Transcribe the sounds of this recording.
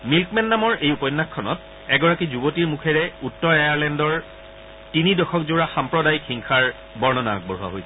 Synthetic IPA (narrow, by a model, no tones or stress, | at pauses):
milkmɛnːamɔɹejupɔjnːakʰːɔnɔ̰t̚ | ɛɡɔɹakizubotiɹmukʰɛɹɛutːɔɹejaɹlɛndɔɹ | tinidɔxʰɔkzoɹaxampɹɔdajkʰiŋkʰaɹ | bɔɹnɔna̰k̚bɔɹuwa̰ɦojsɛ